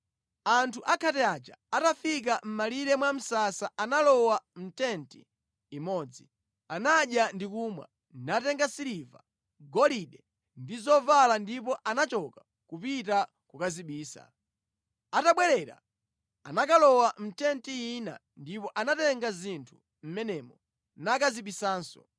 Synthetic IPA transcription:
antʰuʔakʰatɛat͡ʃa̰atafik̬am̩maliɾɛmwam̩sasaʔanalɔwam̩tɛntiː | mɔːd͡zi | anaɗjandikumwa̰ | natɛŋɡasiɾiva̰ | ɡɔliɗɛ | ndizɔvalandip̬ɔʔanat͡ʃɔka | kupita | kukaziɓiːsa̰ | ataɓwɛɾɛɾa̰ | a̰nakalɔwam̩tɛntiina̰ | ndipɔʔanatɛŋɡazintʰu̥ | m̩mɛnɛmɔ | nakaziɓisaːnsɔ̰

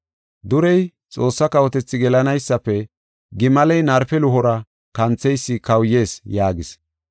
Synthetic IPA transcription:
d̪ʊɾɛj | t͡sʼo̞ːsːɐkɐwɔt̪ɛt͡sːɪɡɛlɐnɐjsːɐpːɛ | ɡɪmɐlɛjnɐɾfɛlʊɦɔɾɐ | kɐnt͡sːɛjsːɪkɐwje̞ːsjaːɡɪs

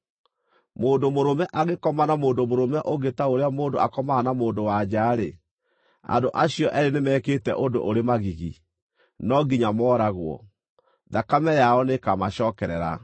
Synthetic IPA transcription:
moːndomoɾomɛʔaɣekɔmanamoːndomoɾomɛʔoɣetaoɾeamoːndoakɔmaːnamoːndowad͡ʑaːɾe | a̰ndoʔaɕiɔʔɛɾenemɛːketɛ̰ʔondo̰ʔoɾemaɣiɣḭ | nɔɡiɲamɔːɾaɣwɔ̰ | ðakamɛjaɔnekamaɕɔːkɛɾɛɾa̰

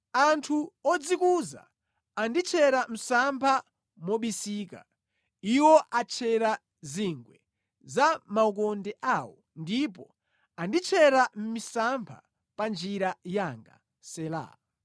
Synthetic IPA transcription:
antʰuɔd͡zikuza̰ː | ndit͡ʃʰɛɾam̩sampʰa | mɔɓisiːka̰ | iwɔʔat͡ʃʰɛɾa | ziŋɡwɛ | zamauk̬ɔndɛʔawɔ | ndip̬ɔ | andit͡ʃʰɛɾam̩misampʰa̰ | pand͡ʒiɾajaŋɡa̰ | sɛla̰

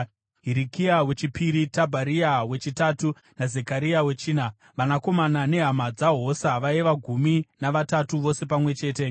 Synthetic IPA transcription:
ɦiɾikiawe̞t͡ʃipiɾitabʱaɾiawe̞t͡ʃitatu | nazekaɾiawe̞t͡ʃiːna | ʋanako̞manane̞ɦamad͡zaɦo̞saʋaeʋaɡʱuminaʋatatuʋo̞se̞pamwe̞t͡ʃe̞ːte̞

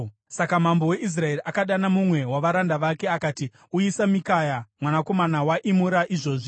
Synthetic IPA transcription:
sakam̤ambo̞we̞ʔis̬rae̞riʔakaɗanamumwe̞waʋaɾandaʋakeakaːti | uisamikajamwanako̞manawaʔimuɾaʔiʐo̞ːʐi

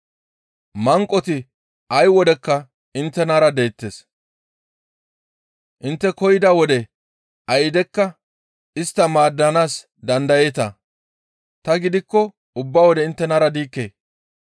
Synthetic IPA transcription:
mɐŋkʼːɔt̪ɪ | ʔɐjwɔd̪ɛkːɐ | ɪnt̪ːɛnaːɾɐd̪e̞ːt̪ːeːs | ʔɪnt̪ːɛkɔjɪd̪ɐwɔd̪ɛ | ʔɐjɪd̪ɛkːɐ | ɪst̪ːɐmaːd̪ːɐnaːs | d̪ɐnd̪ɐjeːt̪ɐ̰ | t̪ɐɡɪd̪ɪkːɔ | ʊbːaːwɔd̪ɛɪnt̪ːɛnaːɾɐd̪iːkːḛː

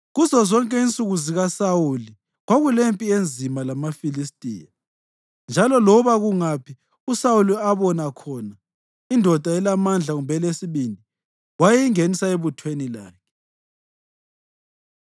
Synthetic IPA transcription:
ɣuzɔzɔŋkʼɛint͡sʼuɣuziɣasawuli | ɣwaɣulempʼiend͡zʱimalamafilistʼḭːja | nd͡ʒʱalɔlɔβaɣuŋapʰi | usawuliaβɔnakʰɔna | indʱɔd̥ʱaɛlamand͡ɮʱaɣumbʱɛlesiβindʱi | wajejiŋenisaeβutʰwenila̰ːkʰɛ̥

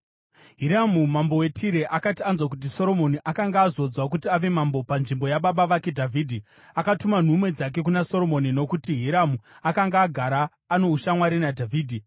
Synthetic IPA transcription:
ɦiɾamumambo̞we̞tʰiɾe̞ʔakatianzwakut̬iso̞ɾo̞mo̞niʔakaŋɡaːzo̞d͡zwak̬utiaʋe̞mambo̞panʐimbo̞jaɓaɓaʋake̞dʱavʱiːdʱi | akatuman̤umwe̞d͡zak̬e̞k̬unaso̞ro̞mo̞nino̞kutiɦiɾamuakaŋɡaːɡʱaɾaː | no̞uʃamwaɾinadʱavʱiːdʱi

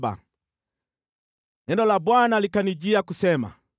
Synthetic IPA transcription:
ba̰ | nɛndɔlabwanalikaniɟiakusɛma̰

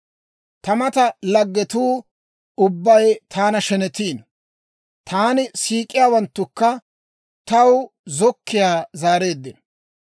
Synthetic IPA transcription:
t̪ɐmɐt̪ɐlɐɡːɛt̪uː | ʊbːɐjt̪ʰaːnɐʃɛnɛt̪iːn | t̪ʰaːnɪsiːkʼːɪjaːwɐnt̪ːʊkːɐ | t̪ɐw | zɔkːɪjaːzaːɾe̞ːd̪ːɪ

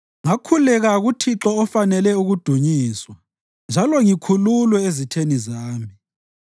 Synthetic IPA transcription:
ŋakʰulɛɣaɣutʰiǁɔːfanɛlɛuɣud̥ʱuɲiːswa | nd͡ʒʱalɔŋikʰululwɛezitʰenizaːmi

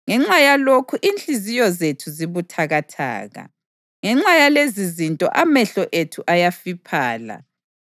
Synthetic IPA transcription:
ŋɛŋ͡ǁajalokʰuʔint͡ɬʼizijɔzetʰuziβutʰaɣatʰa̰ːɣa̰ | ŋɛŋ͡ǁajalezizintʼɔ̰ʔamɛɬɔʔetʰuʔajafipʰaːla̰

